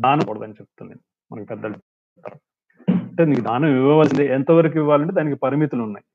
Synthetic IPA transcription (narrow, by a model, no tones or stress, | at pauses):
d̪aːnɐkuːɽɐd̪ɐnit͡ʃep̚t̪und̪i | mɐnɐkipɛd̪ːɐlu | t̪ːaɾa | ɐɳʈeːniːkud̪aːnɐmiʋɐʋɐːind̪iɛnt̪ɐʋɐɾikuiʋːaːlɐɳʈed̪aːnikipɐɾimit̪ulunːa̰ːji